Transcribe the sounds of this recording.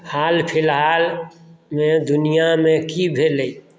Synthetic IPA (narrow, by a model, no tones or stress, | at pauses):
haːlpʰɪlɦaːlmẽd̪ʊnijamẽkibʱeːlei